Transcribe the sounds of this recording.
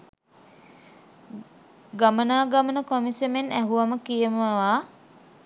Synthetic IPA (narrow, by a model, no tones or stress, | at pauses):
ɡamənaːɡamənəkomisemenæɦuʋaməkijəməʋaː